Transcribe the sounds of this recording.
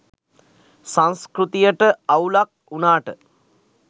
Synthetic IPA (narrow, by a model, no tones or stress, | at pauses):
saŋskɾut̪ijəʈəawlak̚unaːʈə